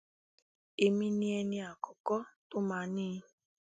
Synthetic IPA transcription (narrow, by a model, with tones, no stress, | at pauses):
e˨mĩ˦ni˦e˧ni˦a˨kɔ˨kɔ˦tʊ˦ma˧nĩː˦